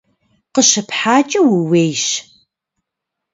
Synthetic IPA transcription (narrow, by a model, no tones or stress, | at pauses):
qəɕɨpħaːt͡ʃʼɐwuwejɕ